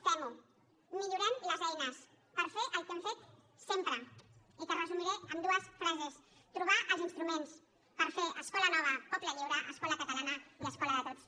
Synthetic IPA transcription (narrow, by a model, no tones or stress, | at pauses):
t̪ɛmu | miʎuɾɛmləzɛjnəs | pəɾfeʔəlˠkeɱfet̪ | sempɾə | ikərəzumiɾeəmd̪uəsfɾazes | t̪ɾuβ̞aʔəlˠzinst̪ɾumens | pəɾfeʔəskɔlənɔβ̞əpɔpləʎiwɾəʔəskɔləkət̪alanəiəskɔləðət̪ot͡s